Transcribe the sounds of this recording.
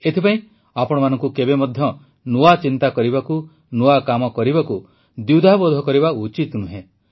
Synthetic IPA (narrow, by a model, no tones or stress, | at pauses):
et̪ʰipaĩ | apɔɽ̃ɔmanɔŋkukebemɔd̪ʱjɔ | nuat͡ʃint̪akɔɾibaku | nuakamɔkɔɾibaku | d̪jud̪ʱabod̪ʱɔkɔɾiβaut͡ʃit̪nuɦẽ